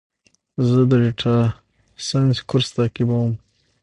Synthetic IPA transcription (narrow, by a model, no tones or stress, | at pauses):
zəd̪əɾiʈʰa | sanskʰʊɾst̪ɑkibawəm